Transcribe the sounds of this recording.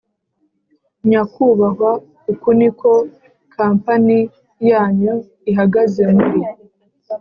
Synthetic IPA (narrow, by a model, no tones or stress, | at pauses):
ɲakuβaɦwa | ukunikʰo̞ | kʰaːmpani | jaːɲu | iɦaɡaze̞muɾi